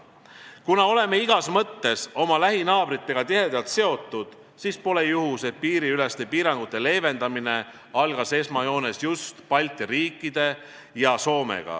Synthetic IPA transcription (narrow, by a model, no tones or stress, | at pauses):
kunɑo̞le̞me̞iɡ̥ɑsmɤt̪ːe̞so̞mɑlæɦinɑːb̥ɾit̪ːˑe̞ɡ̥ɑt̪iɦe̞d̪̥ɑlt̪se̞o̞t̪ːˑud̪̥ | siːspo̞lejuɦuse̞piːɾiyle̞st̪e̞piːɾɑŋɡ̥ut̪ːˑe̞le̞ːve̞nd̪ɑmine̞ | ɑlɡ̥ɑse̞smɑjo̞ːne̞sjust̪pɑlʲt̪ɾiːkːˑid̪̥e̞ | jɑso̞ːmḛɡ̥ɑ̰